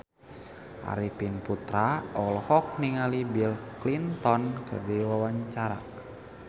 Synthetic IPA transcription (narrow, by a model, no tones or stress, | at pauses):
ʔa̰ɾipinput̪ɾaɔlhɔk̚niŋalibilklint̪ɔnkʰɨ̰rdiwawaɲt͡ʃaɾa̰